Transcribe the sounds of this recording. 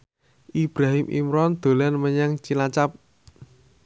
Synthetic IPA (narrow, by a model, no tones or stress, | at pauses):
ʔib̥ɾaɦimʔḭmɾɔnd̪̥o̤lanməɲaŋt͡ʃilat͡ʃap̚